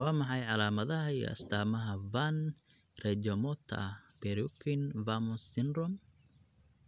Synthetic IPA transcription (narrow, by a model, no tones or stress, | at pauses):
waːmɑħɑjʕɑlaːmɐðɐɦɐiɐ̰st̪ʰaːmɐɦɐvan | rɛd͡ʒɔmɔt̪ʰb̥ɛɾukʰɪnvamɔsɪnrɔm